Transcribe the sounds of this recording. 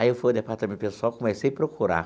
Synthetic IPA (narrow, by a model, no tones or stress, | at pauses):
aiewfojd̪epaɾt̪ɐmẽt̪pesʊawkomesejpɾokuɾa̰